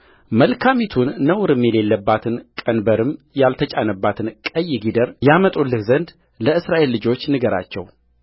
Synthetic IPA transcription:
məlkʰamit̪ʰunːəwɾɨmjɛle̞lːəbːat̪ʰɨnkʼənbəɾɨmjalt̪ʰət͡ʃʼanəbːat̪ʰɨnkʼəjːɪɡid̪əɾjamət̪ʼulːɨhzənd̪ | ləɨsɾaʔe̞lːɨd͡ʒo̞t͡ʃːnɨɡəɾa̰t͡ʃːɛ̰w

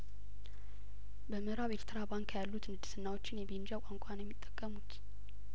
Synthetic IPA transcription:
bəmɨɾaβelt̪ʰɨɾabaŋkjalːut̪nɨd̪ɨ̥sɨnːawo̞t͡ʃːɪnjɛbend͡ʒakʷʼaŋkʷʼanjɛmːit̪ʼːə̥kʼːəmut̪

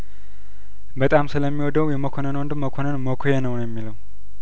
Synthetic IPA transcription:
bət̪ʼamsɨləmːiwɔd̪əwjɛməkʰonənwond̪ɨmːəkʰonənməkʰojɛnəwnjɛmːiləw

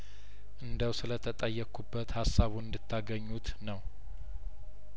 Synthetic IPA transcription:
ʔɨnd̪əwsɨlət̪ʰət̪ʼəjːɛkːubːət̪hasːaβuɨnd̪ɨt̪ʰːaɡəɲːut̪nəw

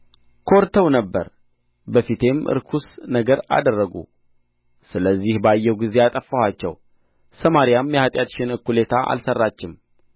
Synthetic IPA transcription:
kʰoɾt̪ʰəwnəbːə̰ɾ | bəfit̪ʰe̞mɨ̰ɾkʰusnəɡəɾa̰d̪ərːəɡṵ | sɨləzːihbajːɛwɡize̞at̪ʼəfːəhat͡ʃːɛ̰w | səmaɾijamjɛhat̪ʼjat̪ʃɪnɨkːulet̪ʰaʔa̰lsərːat͡ʃːɪm

